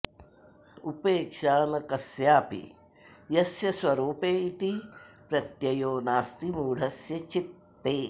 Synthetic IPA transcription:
upeːkʃaːnɐkɐsjaːpḭ | jɐsjɐsʋɐɾuːpeːit̪ipɾɐt̪jɐjoːnaːst̪imuːɽ̤ʱɐsjɐt͡ʃit̪ː | eː

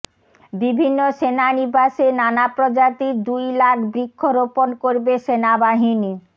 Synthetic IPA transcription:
bibʱinːoʃenaniɾbaʃenanapɾod͡ʑat̪id̪ujlakbɾikʰːoɾoponkoɾbeʃenabaɦini

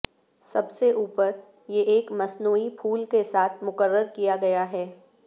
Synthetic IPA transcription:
sɐbseʔuːpəɾ | jeʔeːkmɐsnuːipʰuːlkesaːt̪ʰmʊkəɾːəɾkijaɡɐjaɦɛː

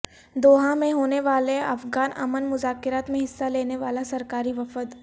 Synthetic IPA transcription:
d̪oːɦãmẽɦoːneʋaːleɐ̰fɡaːnɐ̰mənmʊzaːkɪɾaːt̪mẽɦɪsːaleːneʋaːlasɐɾkaːɾiʋɐfəd̪

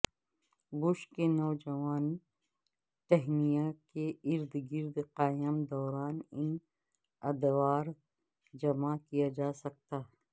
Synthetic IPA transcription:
bʊʃkenɔːd͡ʒɐʋaːn | t̪ɛɦnijakeɪɾd̪ɡɪɾd̪qaːjəmd̪ɔːɾaːnɪn | ɐd̪ʋaːɾ | d͡ʒɐmakijad͡ʒaːsɐk̚t̪aː

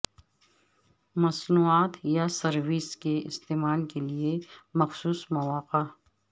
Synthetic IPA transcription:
mɐsnuaːt̪jasɐɾʋiːskeɪ̰st̪eːmaːlkeliemɐxsuːsmɐʋaːqa

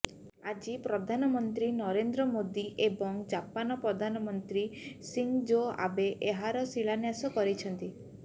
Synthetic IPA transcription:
ad͡ʒipɾɔd̪ʱanɔmɔnt̪ɾinɔɾend̪ɾɔmod̪iʔebɔŋd͡ʒapanɔpɾɔd̪ʱanɔmɔnt̪ɾisiŋd͡ʒoa̰beʔeɦaɾɔsiɭanjasɔkɔɾit͡ʃʰɔnt̪i

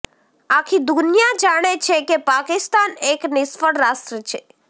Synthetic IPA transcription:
akʰid̪unjad͡ʒaɽ̃et͡ʃʰekepakɪst̪aneknɪsfəɽɾasʈɾət͡ʃʰe

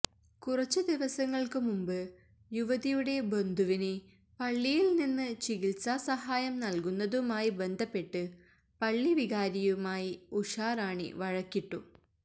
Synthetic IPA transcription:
kurɐt͡ɕːɨd̪iʋɐsɐŋːɐɭkɨmumbɨ | juʋɐðijuɽe̞bo̞nd̪ʱuʋine | pɐɭːijilninːɨt͡ɕiɣilsaːsɐɦaːjɐmnɐlkunːɐðumaːjibe̞nd̪ʱɐpːe̞ʈːɨ | pɐɭːiʋiɣaːɾijumaːjiuʂaːraːɳḭʋɐɻɐkːiʈːu

